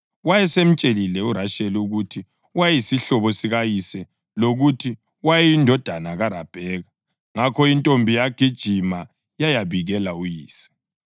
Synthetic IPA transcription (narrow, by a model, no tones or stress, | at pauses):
wajɛsem̩t͡ʃʼelilɛuɾaʃɛluɣutʰi | wajisiɬɔβɔsiɣajisɛ | loɣutʰi | wajɛindʱɔd̥ʱanaɣaɾab̥ʱɛːɣa | ŋakʰɔintʼombʱijaɡ̥ʱid̥ʒ̥ʱima | jajaβiɣɛlaujiːsi̥